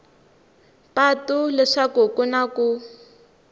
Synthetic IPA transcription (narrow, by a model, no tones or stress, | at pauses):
patulɛʂakukunaku